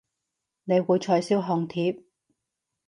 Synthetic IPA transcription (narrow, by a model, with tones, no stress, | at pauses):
ne˨˧jwuː˨˧jt͡ʃʰɔː˨˧jsiː˥wɦɔː˨˧ŋt̪ʰiː˧˥p̚